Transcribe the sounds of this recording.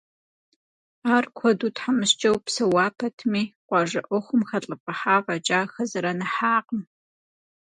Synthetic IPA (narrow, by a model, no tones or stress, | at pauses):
aːrkʷʰɔduːtʰħamɨɕt͡ʃʼɐwpsɐwaːpʰɐtʰɨmiːqʷɑʒɐʔʷɔχʷʊmxɐɬʼɨpʼɐħaːvɐt͡ʃʼaːxɐzɨɾɐnɐħaːqm